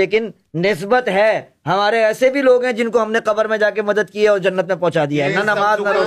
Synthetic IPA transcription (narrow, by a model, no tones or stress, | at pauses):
eːk̬ɪnː | ɪs̬bət̪ɦɛː | ɦɐmaːɾeɛːsebʱiloːɡɦɛ̃d͡ʒɪnkoɦɐmneqɐbəɾmẽd͡ʒaːk̬emɐd̪əd̪̚kiɛɔːɾd͡ʒɐnːət̪̚mẽpɔ̃ɦt͡ʃaːd̪ijaɦɛnɐnɐmaːznɐɾoː